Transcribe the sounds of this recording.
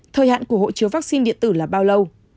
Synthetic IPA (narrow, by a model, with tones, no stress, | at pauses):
t̪ʰəː˧˩jha̰ː˧˨nku˧˩əho̰˧˨t͡ɕɨ˨˦wvaː˦˥k̚si˧nɗḭ˧ənt̪ɨ˧˩laː˨˩ɓaː˧wlə˧w